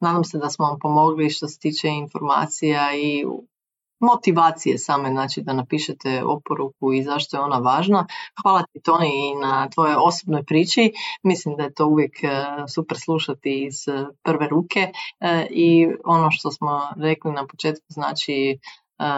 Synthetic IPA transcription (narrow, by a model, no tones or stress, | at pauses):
naːd̪amse̞d̪asmonampo̞mo̞ɡliʃt̪o̞se̥t̪iːt͡ʃeinfo̞ɾma̰ːt̪sijai | mo̞t̪iʋaːt̪sije̞̰saːme̞znaːt͡ʃid̪anapiːʃet̪eo̰po̞ɾukuizaʃt̪ojeo̞naʋaːʒnaxʋaːlˠat̪it̪oniːnat̪ʋo̞joo̞sobnojpɾiːt͡ʃimislimd̪ajet̪o̞uʋje̞ksupɾslˠuʃat̪iːz̥pr̩ʋe̞ɾuːkʰe̞ | io̞no̞ʃt̪o̞smo̞ɾe̞klinapot͡ʃeːt̪kuzna̰ːt͡ʃi